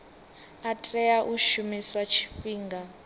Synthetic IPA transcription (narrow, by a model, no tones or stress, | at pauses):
atʼrɛjaʔuʃumiswat͡ʃʰi̥ɸiːŋɡa